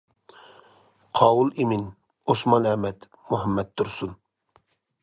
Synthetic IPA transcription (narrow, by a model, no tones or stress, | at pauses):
qʰɑːwulˠimin | osmɑnɛmɛt̪ | muɦɛmːɛt̪ʰːuɾsun